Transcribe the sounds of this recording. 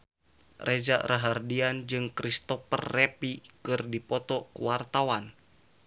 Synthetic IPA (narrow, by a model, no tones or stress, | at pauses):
rʔed͡ʒaʔɾaɦardiand͡ʒɨŋkɾist̪ɔpə̰rːepikɨrdipɔt̪ɔkuwart̪awan